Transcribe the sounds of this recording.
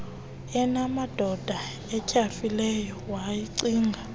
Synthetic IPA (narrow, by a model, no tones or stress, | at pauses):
ɛnamad̥ʱɔd̥ʱa | ɛcʰʼafilɛjɔwajiǀiːŋɡʱa